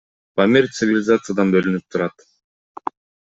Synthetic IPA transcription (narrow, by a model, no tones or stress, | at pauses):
pɐmʲeɾʲt̪sɨvʲɪlʲɪzat̪sɨjad̪ɑnbølynyp̚t̪ʰuɾɑt̪